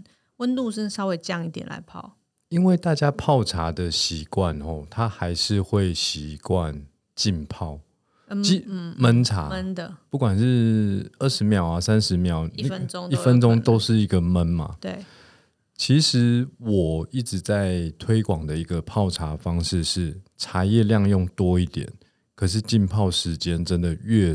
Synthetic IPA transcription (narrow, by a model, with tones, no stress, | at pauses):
wə˦nt̪u˥˧ʂə˥˧sɑ˥ʊwe˧˥ɪʈ͡ʂə˧jɑ˥˧ŋi˥˩t̪jɛ˨˩nla̰˨˦ɪpʰɑ̰˥˩˨ʊ | i˦˥nwe˥˩ɪt̪a˥˩t͡ɕja˦˥pʰɑ˥˨˩ʊʈ͡ʂʰa˧˦d̪ə˨ɕi˨˦kwa˥˨nxɔ˨˧˩t̪ʰa˦xa˧˥ɪʂɻ̩˥˧xwe˥˩ɪɕi˨˦kwa˥˨n | t͡ɕi˥˨npʰɑ˥˨˩ʊ | t͡ɕi˥˦mə˦nt͡sʰa̰˨˧˦ndəpu˥˩kwa˨˩nʂɻ̩˥˧ə˥˩ʂɻ̩˧˦mjɑ˨˩ʊa˨sa˦˥nʂɻ̩˨˦mjɑ˨˩ʊna˥i˥fə˦nʈ͡ʂɔ˥ŋt̪o˥ʊʂɻ̩˥˩i˧˥ɡə˨mə˦nma̰˨ | t͡ɕʰi˧˦˥ʂɻ̩˨˦wɔ˨˩i˥˩ʈ͡ʂɻ̩˨˦t͡sa˥˩ɪt̪ʰwe˥ɪkwɑ˨˩ŋd̪ə˩i˧˦ɡə˨˧pʰɑ˥˩ʊʈ͡ʂʰa˧˥˦fɑ˦ŋʂɻ̩˥˧ʂɻ̩˥˩ʈ͡ʂʰa˧˥jɛ˥˧ljɑ˥˧ŋjɔ˥˩ŋt̪wɔ˦˥i˥˩t̪jɛ̰˨˩˦n | kʰɤ˨˩ʂ̬ɻ̩˥˧t͡ɕi˥˧npʰɑ˥˩ʊʂɻ̩˧˥t͡ɕjɛ˦nʈ͡ʂə˦nd̪ə˨ɥɛ˥˧